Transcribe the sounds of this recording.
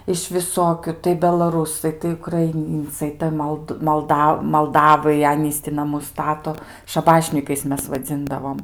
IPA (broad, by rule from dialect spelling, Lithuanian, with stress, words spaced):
ɪʃ ʋʲɪˈsoːkʲʊ tɐɪ bʲɛlˠɐˈruːsɐɪ tɐɪ ʊkrɐɪˈnʲiːnt͡sɐɪ ˈtɐɪ moːlˠt mɐlˠˈdɐ mɐlˠˈdɑːʋɐɪ ˈɑːnʲiːs tʲɪ nɐˈmʊs ˈstɑːtoː ʃɐˈbɑːʃʲnʲiːkɐɪs ˈmʲɛs ʋɐˈd͡zʲɪndɐʋoːm